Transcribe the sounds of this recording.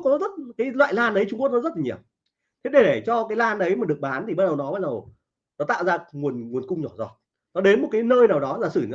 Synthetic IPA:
k̚ɔ˨˦zə˦˥t̚kaː˨˦jlwa̰ː˧˨jlaː˧nʔə˨˦jt͡ɕʊ˧ŋ͡mku˦˥ək̚nɔ˨˧˦t̚la˨˩ɲi˧˩əw | t̪ʰe˦˥ɗe˨˩ɗe˧˩t͡ɕɔ˧kaː˨˦jlaː˧nʔə˨˦jmaː˨˩ɗək̚ɓaː˨˦nt̪ʰi˨˩ɓaː˦˧t̚ɗə˨˩wnɔ˨˦ɓaː˧t̚ɗə˨˩w | nɔ˨˦t̪a̰ː˧˨wzaː˧ŋu˨˩ənŋ˨˩ənkʊ˧ŋ͡mɲɔ˧˩zɔ˨˩t̚ | nɔ˨˦ɗe˨˦nmo˨˩t̚kaː˨˦jnəː˧jnaː˨˩wɗɔ˨˦laː˨˩sɨ˧˩ɲ˧˨

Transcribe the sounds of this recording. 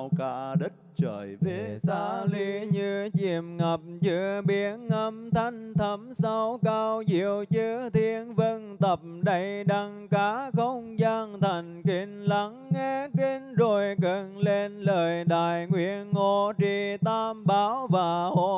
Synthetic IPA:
wkaː˧ɗə˦˥t̚t͡ɕəː˧˨˩jjve˨˦˩saː˧˦li˧˦ɲɨ˧t͡ɕi˧˩əmŋə˨˩p̚t͡ɕɨ˧˦əɓi˨˦ənʔə˧˦mt̪ʰa˧jŋ̟t̪ʰə˨˦msa˧wkaː˧wzi˧˩˨əwt͡ɕɨ˧˦ət̪ʰi˧ənvə˧nt̪ə˨˩p̚mɗə˧˩jɗa˧ŋkaː˨˦xə˧wŋ͡mzaː˧ŋt̪ʰa˨˩jŋ̟ki˧˩ŋ̟la˨˦ŋːɛ˧ki˧˦nzo˨˩jkə˧˩nle˧nləː˨˩jɗaː˧˨jŋwḭ˧˨ənŋo˧˩t͡ɕi˧˩t̪aː˧mɓaː˨˦wvaː˨˩ho˧˨

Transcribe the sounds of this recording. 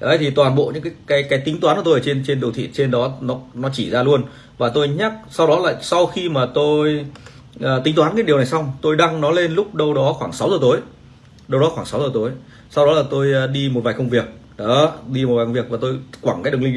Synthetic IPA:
ʔjt̪ʰi˨˩t̪waː˨˩nɓo̰˧˨ɲɨ̰˧˥ŋkaː˨˦jkaː˨˦jkaː˨˦jt̪i˨˦ŋt̪waː˨˦nkːt̪o˧jt͡ɕe˧nt͡ɕe˧nɗə˨˩t̪ʰḭ˧˨t͡ɕe˧nɗɔ˨˦nɔ˨˦nɔ˨˦t͡ɕi˧˩zaː˧lu˧ən | vaː˨˩t̪o˧jɲa˦˥k̚sa˧wɗɔ˨˦la̰ː˧˨jsa˧wxi˧maː˨˩t̪o˧j | ʔəː˧˩t̪ï˨˦ŋ̟t̪waː˨˦nkaː˨˦jɗi˨˩əna˨˩jsa˧wŋ͡mt̪o˧jɗa˧ŋnɔ˨˦le˧nlʊ˦˥k͡p̚ɗə˧wɗɔ˨˦xwaː˧˩ŋsa˨˦wzə˨˩t̪o˨˦j | ɗə˧wɗɔ˨˦xwaː˧˩ŋsa˨˦wzəː˨˩t̪o˨˦j | sa˧wɗɔ˨˦laː˨˩t̪o˧jɗi˧mo˨˩t̚vaː˨˩kə˧ŋ͡mvi˨˩ək̚ | ɗɔ˨˦ɗi˧mo˨˩aː˨˩kŋ͡mvi˨˩ək̚vaː˨˩t̪o˧jkwaː˧˩ŋkaː˨˦jɗɨ˨˩li˧ŋ

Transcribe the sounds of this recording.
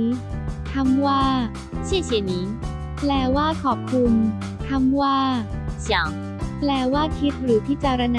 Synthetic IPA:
t̪ʰa˧˥mwaː˥˩ | t͡ɕʰi˥˩ət͡ɕʰi˨˩˦niː˦˥ | plɛː˧˩waː˥˩kʰɔː˨˩p̚kʰu˧m | t̪ʰa˧˥mwaː˥˩t͡ɕa˨˦ | plɛː˧˩waː˥˩kʰi˦˥t̪̚ɾɯː˩˦pʰiː˥˩t͡ɕaː˧ɾa˧na˧

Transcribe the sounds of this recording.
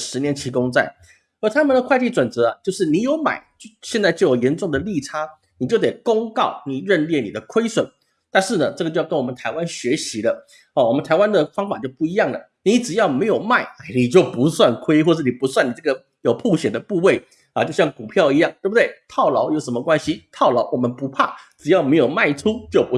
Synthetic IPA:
ʂɻ̩˧˥njɛ˧˥nt͡ɕʰi˧˥kʊ˥ŋt͡sa̰˥˩ɪ | ə˧˥t̪ʰa˥mə˨nd̪ə˩kʰwa˥˧ɪt̪ʰi˥˩t͡swə˨˩nt͡sɤ˧˥ɐ˧t͡ɕjo˥˧ʊʂɻ̩˥˩ni˧˥jo˧˥ʊma̰˨˩ɪt͡ɕɕjɛ˥˧nt͡sa˥˧ɪt͡ɕo˥˩jo˨˩ʊjɛ˧˥nʈ͡ʂʊ˥˩ŋd̪ə˩li˥˨˩ʈ͡ʂʰa˥ | ni˨˩t͡ɕjo˥˩ʊt̪e˨˩ɪkʊ˥ŋkɑ˥˩ʊni˨˩ɻə˥˧nljɛ˥˩ni˨˩d̪ə˦kʰwe˥ɪswə˨˩˦n | t̪a˥˧nʂɻ̩˥˩nə˩ʈ͡ʂɡə˩t͡ɕo˥˧jɑ˥˧ə˥nwɔ˨˩mə˦nt̪ʰa˧˥ɪwa˥nɕɥɛ˧˥ɕi˧˥lə˧ | ɔ˧˩wɔ˨˩mə˦nt̪ʰa˧˥ɪwa˥nd̪ə˨fɑ˥ŋfa˨˩t͡ɕjo˥˧ʊpu˥˩i˧˥jɑ˥˩ŋlə̰˩ | ni˧˨˥ʈ͡ʂɻ̩˨˩jɑ˥˩ʊme˧˥ɪjo˨˩ʊma˥˩ɪa˥˩ni˨˩t͡ɕjo˥˩ʊpu˧˦˥swa˥˩nkʰwe˥ɪxwɔ˥˧ʂɻ̩˥˩ni˨˩pu˧˥swa˥˩ni˨˩ʈ͡ʂɡə˩ | jo˨˩ʊpʰu˥˩ɕjɛ˨˩d̪ə˦pu˥˧we˥˩ɪ | ɐ˨˩t͡ɕo˥˧ʊɕjɑ˥˩ŋku˨˩pʰjɑ˥˧ʊi˧˥jɑ˥˩ŋt̪we˥˩bu˨d̪we˥˩ɪt̪ʰɑ˥˩ʊlɑ˧˥ʊjo˧˥ʊʂə˧˥nmə˧kwa˥nɕi˨t̪ʰɑ˥˩ʊlɑ˧˥ʊwɔ˨˩mə˦npu˧˥pʰa˥˩ʈ͡ʂɻ̩˨˩jɑ˥˩ʊme˧˥ɪjo˨˩ʊma˥˩ɪʈ͡ʂʰu˥t͡ɕjo˥˩ʊpu˧˦

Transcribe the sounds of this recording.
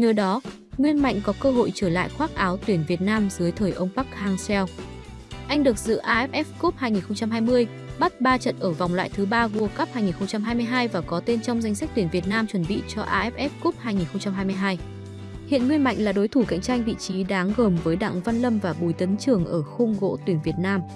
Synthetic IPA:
ɲəː˨˦ɗɔ˨˦ | ŋwi˧ənma̰˧˨jŋ̟kɔ˨˦kəː˧ɦo̰˧˨jt͡ɕəː˧˩la̰ː˧˨jxwaː˦˥t̚ʔaː˨˦wt̪wi˧˩ənvi˨˩ət̚naː˧mzɨ˨˦əjt̪ʰəː˨˩jʔə˧wŋ͡mɓa˦˥k̚haː˧ŋsɛ˧w | ʔa˧jŋ̟ɗɨ˨˩ək̚zɨ̰˧˥ʔaː˧ʔɛ˦˥p̚ʔɛ˦˥p̚ku˦˥p̚haː˧jŋi˨˩nxə˧wŋ͡mt͡ɕa˧mɦaː˧jmɨ˧əj | ɓa˦˥t̚ɓaː˧t͡ɕə̰˧˨nʔəː˧˩va˨˩wŋ͡mlwa̰ː˧˨jt̪ʰɨ˨˦ɓaː˧ɣu˧əka˦˥p̚haː˧jŋi˨˩nxə˧wŋ͡mt͡ɕa˧mɦaː˧jmɨ˧əjɦaː˧jvaː˨˩kɔ˨˦t̪e˧nt͡ɕɔ˧wŋ͡mza˧jŋ̟sa˦˥k̟̚t̪wi˧˩ənvi˨˩ət̚naː˧mt͡ɕwə˧˩nɓḭ˧˨t͡ɕɔ˧ʔaː˧ʔɛ˦˥p̚ʔɛ˦˥p̚ku˦˥p̚haː˧jŋi˨˩nxə˧wŋ͡mt͡ɕa˧mɦaː˧jmɨ˧jɦaː˧j | hḭ˧˨ənŋwi˧ənma̰˧˨jŋ̟laː˨˩ɗo˨˦jt̪ʰu˧˩ka̰˧˨jŋt͡ɕa˧jŋ̟vḭ˧˨t͡ɕi˨˦ɗaː˨˦ŋɣəː˨˩mvəː˨˦jɗa̰ː˧˨ŋva˧nlə˧mvaː˨˩ɓu˨˩jt̪ə˨˦nt͡ɕɨ˨˩əŋʔəː˧˩xu˧ŋ͡mɣo̰˧˥t̪wi˨˧˩nvi˨˩ət̚naː˧m

